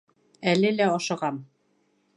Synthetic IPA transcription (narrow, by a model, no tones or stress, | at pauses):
ælɘlæɑʃɤ̆ʁɑm